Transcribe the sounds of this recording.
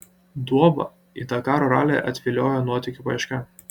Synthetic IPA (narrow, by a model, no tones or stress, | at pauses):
d̪uɔʋɐ̰ | ḭt̪ɑkɑːɾoːɾɑ̰ːlʲḛʔɐt̪ʲʋʲɪlʲoːjonuɔt̪ʲɪkʲʊpɐɪʃʲkʲɐ